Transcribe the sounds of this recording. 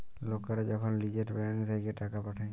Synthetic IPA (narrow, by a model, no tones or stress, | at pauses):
lɔkaɾd͡ʒɔkʰɔnlid͡ʒɛʈbŋsajkɛʈakapaʈʰaj